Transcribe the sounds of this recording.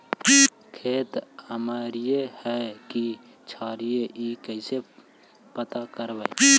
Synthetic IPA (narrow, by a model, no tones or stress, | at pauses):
kʰeːt̪əmaːɾijehɛki | t͡ʃʰaːɾijeʔikəɪse | pət̪akəɾbəi